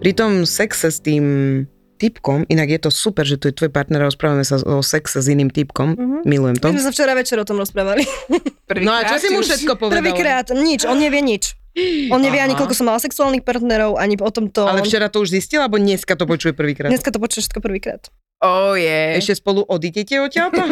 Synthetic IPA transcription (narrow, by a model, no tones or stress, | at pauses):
pɾit̪ɔmsɛksɛst̪iːm | t̪ipkɔmʔinaɡjɛt̪ɔsupɛɾʒɛt̪ujɛt̪ʋɔjpaɾt̪nɛɾɾɔspɾaːʋamɛsaɔsɛksɛziniːmt̪ipkɔmmilujɛmt̪ɔizmɛs̬aft͡ʃɛɾaʋɛt͡ʃɛɾɔt̪ɔmɾɔspɾaːʋalipr̩inɔat͡ʃɔsimmuʃɛt̪̚kɔpɔʋr̩ʋiːkɾaːt̪ɲit͡ʃɔnɲɛʋɪjɛɲit͡ʃ | ɔnɲɛʋɪɛaɲikɔlkɔsɔmːalasɛksuaːlnixpaɾt̪nɛɾɔʊʔaɲiɔt̪ɔmt̪ɔalɛft͡ʃɛɾat̪ɔuʒziscilˠɛbɔɲɛskat̪ɔpɔt͡ʃujɛpr̩ʋiːkɾaɲɛskat̪ɔpɔt͡ʃujɛʃɛ̥t̪kɔpr̩ʋiːkɾa̰ːt̪ | ɔjɛɛʃcɛspɔlˠuʔɔd̪iɟɛcɛɔcɪalt̪ɔ